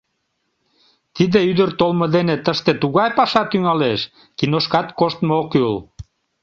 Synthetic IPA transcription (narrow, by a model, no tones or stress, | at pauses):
t̪id̪eyd̪ərt̪olməd̪enet̪əʃt̪et̪uɣɑjpɑʃɑt̪yŋɑleʃ | kinoʃkɑt̪koʃt̪mookul